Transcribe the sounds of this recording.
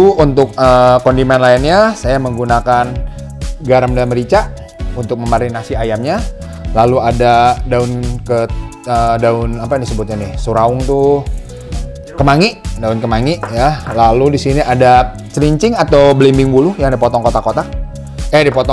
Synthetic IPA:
uunt̪ʊk̚əkɔndimɛnlainɲasajaməŋɡunakan | ɡaɾamdalməɾit͡ʃaʔ | unt̪ʊk̚məmaɾinasiajamɲa | laluadadaʊnkə | ədaʊnapadisəbʊt̪̚ɲanɪhsuɾaʊŋt̪u | kəmaŋiʔdaʊnkəmaŋiʔjalaludisiniʔada | t͡ʃɾiɲt͡ʃɪŋat̪awbəlimbɪŋbulujadipot̪ɔŋkot̪akot̪a | ɛdipɔt̪ɔ

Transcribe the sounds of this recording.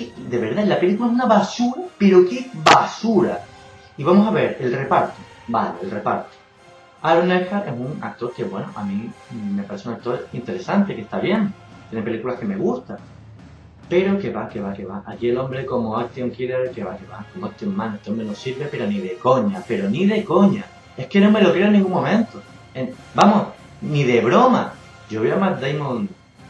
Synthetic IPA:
id̪e̞βe̞ɾðalape̞likulaesunaβasuɾape̞ɾo̞ke̞βasuɾa | iβamosaβe̞ɾe̞lre̞paɾt̪o | baleelre̞paɾt̪o̥ | aɾonexaɾʔe̞suŋa̰k̚t̪o̞ɾke̞βwe̞no̰ʔamĩme̞paɾeseunak̚t̪o̞ɾint̪e̞ɾe̞sant̪e̞keht̪aβje̞ŋ | t̪jene̞pe̞likulahke̞me̞ɣust̪a | pe̞ɾo̞ke̞βake̞βake̞βaʔakie̞lõ̞mbɾe̞ko̞moakt̪joŋkileɾke̞βakeβakomoekt̪jommãneht̪eombɾenosiɾβepe̞ɾo̞niðe̞ko̞ɲape̞ɾo̞niðe̞ko̞ɲa | e̞hke̞no̞me̞lo̞kjeoenːĩŋɡuŋmːõ̞mẽnt̪o | eŋ | bamo̞h | niðe̞βɾo̞ma | ɟ͡ʝo̞βeamaɾd̪ejmõnd̪

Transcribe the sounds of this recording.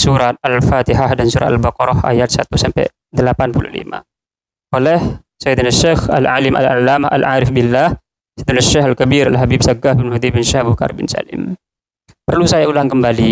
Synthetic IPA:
suɾat̪̚alfat̪iɦahdansuɾa̰a̰lbaqɔɾɔha̰jat̪̚sat̪usampɛ̰ | dəlapanpulṵhlḭma̰ | ʔolɛh | sajd̪ənaʃɛxa̰lʕalɪmʔa̰lalːamaa̰lʕaːɾɪfbɪlːah | sɛjd̪ənaʃɛxalkabiɾalɦabib̚saɡahbɪnhud̪ibɪnʃahbuka̰rbɪnsa̰lɪ̰m | pərlusajaulaŋkəmbali

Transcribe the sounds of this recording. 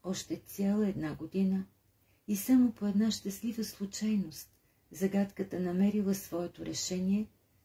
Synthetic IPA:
ɔʃt̪ɛt̪sʲjalˠəɛd̪naɡod̪inə | isamopoɛd̪naʃt̪ɐslivəslˠut͡ʃajnost̪ | zɐɡat̪kət̪ənɐmɛɾilˠəsvɔɛt̪oɾɛʃɛniɛ

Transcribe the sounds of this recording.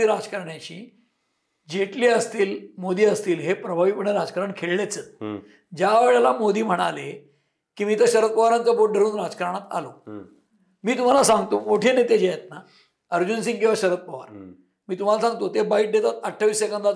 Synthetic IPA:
iːɾad͡zkəɾɳjãɕḭː | d͡ʑeʈliːəst̪iːlmod̪iːəst̪iːlɦepɾəbʱaʋiːpəɳeɾad͡zkaɾəɳkʰeɭlet͡sət̪ | d͡ʑjaʋeɭjalamod̪iːm̤əɽ̃a̰le | kiːmiːt̪əɕəɾət̪̚pəʋaɾãnt͡səboʈɖʱəɾuːnɾad͡zkaɾaɽ̃at̪a̰lo | miːt̪um̤alasãŋɡt̪omoʈʰenet̪ed͡ʑejet̪na | əɾd͡ʑunsĩŋɡkĩw̃ʋaɕəɾət̪̚pəʋa̰ɾ | miːt̪um̤alasãŋɡt̪ot̪ebaiːʈ̚d̪et̪at̪əʈʰːaʋiːsːekənd̪a

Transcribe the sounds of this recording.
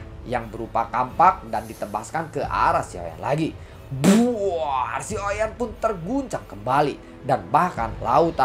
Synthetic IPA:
jaŋbəɾupakampak̚dandit̪əbaskankəʔa̰ɾasio̰ja̰nla̰ɡi | buarsiojanpʊnt̪ərɡuɲt͡ʃaŋkəmbali | danbahka̰nla̰ut̪a

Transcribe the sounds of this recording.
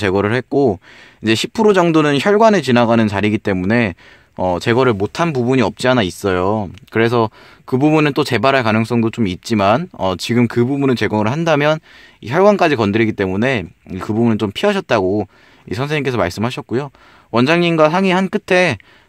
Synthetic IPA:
t͡ɕe̞ɡʌɾɯɭhe̞t̚k͈oid͡ʑe̞ɕʰipʰɯɾod͡ʑʌŋdonɯnçjʌɭɡwanet͡ɕinaɡanɯnt͡ɕaɾiɡit͈e̞mune̞ | ʌt͡ɕe̞ɡʌɾɯɭmotʰanpubuɲiʌp̚t͡ɕ͈ianais͈ʌjokɯɾe̞s̬ʰʌ | kɯbubunɯnt͈ot͡ɕe̞baɾɦaɭkanɯŋs͈ʌŋdot͡ɕomit̚t͡ɕ͈imanʌt͡ɕiɡɯmkɯbubunɯnt͡ɕe̞ɡoŋɯɭɦandamjʌniçjʌɭɡwank͈ad͡ʑikʌndɯɾiɡit͈e̞mune̞ikɯbubunɯnt͡ɕompʰiɦaɕ̬ʰʌt̚t͈aɡo | ḭsʰʌnsʰeɲiŋke̞sʰʌmaɭs͈ɯmɦaɕʰʌt̚k͈ujo | wʌnd͡ʑaŋɲimɡwasʰaŋihank͈ɯtʰe̞

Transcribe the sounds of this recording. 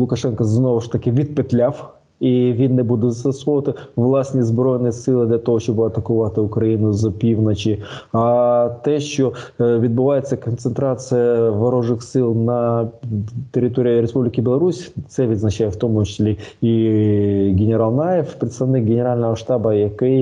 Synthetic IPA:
lˠʊkɐʂɛnkəznovəʂt̪ɐkʲɪvʲit̪̚pʲɪt̪lʲaf | ivʲid̪nːɨjbud̪ʊt̪sɐsxot̪ɨvlˠasʲtʲnʲɪzbɾo̞jɪnːɨjsʲɨlˠəd̪lʲɐt̪ɐvoʂt̪obɨɐt̪ɐkʊvat̪əʊkɾɐinʊzɐpʲivnət͡ɕɪat̪ɛɕovʲɪd̪̚bɨvajɪt̪səkənt̪sɨnt̪ɾat̪sɨjəvɐɾoʐɨxsʲɨlˠnɐ | t̪ʲɪɾʲɪt̪o̞ɾʲɪjɾʲɪspublʲɪkʲɪbʲɪlˠɐɾusʲt̪sɛvʲɪt̪ʲznɐt͡ɕajɪtft̪omt͡ɕɪ̥sʲlʲei | ɡʲɪnʲɪɾalˠnajɪfpɾʲɪt̪st̪ɐvnʲik̚ɡʲɪnʲɪɾalʲnəvəʂt̪abəjɛkɨ

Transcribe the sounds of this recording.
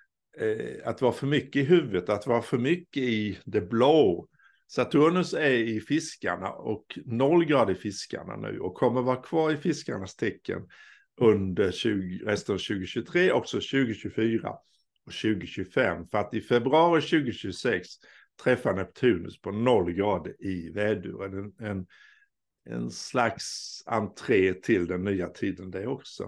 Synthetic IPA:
at̪vɑːɾafœɾmʏkːəɪɦʉ̟ːvət̪at̪vɑːɾafœɾmʏkːəɪd̪ɛbloː | sat̪ʰuːnəsæɪfɪska̰ɳa̰ɔknɔlɡɾɑːd̪ɪfɪska̰ɳa̰nʉ̟̰ːɔkʰːɔmːəɾvɑːɾakʰv̥ɑːɾɪfɪskaɳast̪ʰɛkːə̰n | ɵnd̪əɾɕʉ̟ːɾɛst̪ənvɕʉ̟ːɡʊɕʉt̪ʰɾeːʔɔksɔɕʉ̟ːɡʊɕʉfyːɾa̰ | ɔɕʉ̟ːɡʊɕʉfɛmːfœɾat̪ɪfɛbɾɵɑːɾɪɕʉ̟ːɡʊɕʉːɡsɛks | t̪ʰɾɛfːahanœpt̪ʰhʉ̟ːnə̰spʰɔnɔlːɡɾɑːd̪əɪvɛːd̪ʉ̰ːɾəd̪ɛɛn | ɛ̰nslaksa̰nt̪ʰɾeːt̪ʰɪld̪ɛnːyːat̪ʰiːd̪ənd̪ɛɔksɔ̰

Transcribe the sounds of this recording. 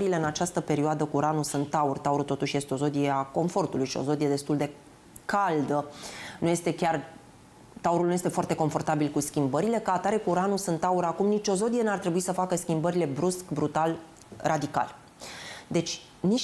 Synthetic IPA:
ɾile̞ɨnat͡ʃast̪əpe̞ɾioad̪əkuɾanusunt̪ːaurʲt̪auɾut̪o̞t̪uʃje̞st̪eo̞zo̞d̪ijeako̞ɱfo̞rt̪ulujʃio̞̰zo̞d̪ije̞d̪e̞st̪uld̪e̞ | kald̪ənuje̞st̪e̞kʲar | t̪auɾulnuje̞st̪efoart̪eko̞ɱfo̞rt̪abilkuskʲimbəɾile̞kəat̪aɾe̞kuɾanusunt̪ːauɾakumnit͡ʃʲo̞zo̞d̪ije̞nuart̪ɾe̞buisəfakəskʲimbəɾile̞bɾuskbɾut̪al | rʔad̪ika̰l | d̪e̞t͡ʃʲ | ni

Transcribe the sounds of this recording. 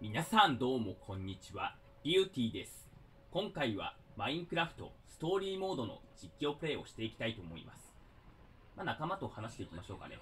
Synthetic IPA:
mʲinasãnd̪o̞ːmo̞kʰõ̞ɲ̟ːit͡ɕiβa | bʲiɯ̟ːt̪ʲiːd̪e̞sɨ̥ | kõ̞ŋkaiβa̰maĩŋkɯ̟ɾaɸɯ̥t̪o̞̰sɨ̥t̪o̞ːɾʲiːmo̞ːd̪o̞no̞̰d͡ʑikʲːo̞ːpɯ̟ɾe̞ːo̞ɕi̥t̪e̞ikʲi̥t̪ait̪o̞ːmo̞̰ḭma̰sɨ̥ | manakamat̪o̞hanaɕi̥t̪e̞ikʲimaɕo̞ːka̰ne̞̰

